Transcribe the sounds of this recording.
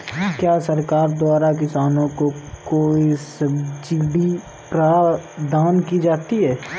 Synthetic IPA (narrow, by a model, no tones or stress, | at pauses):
kjaːsɐɾkaːɾd̪waːɾak̬ɪsaːnõkokoːisɐbd͡ʒiːɖi | pɾaːd̪ʱaːnkid͡ʒaːt̪iɦɛː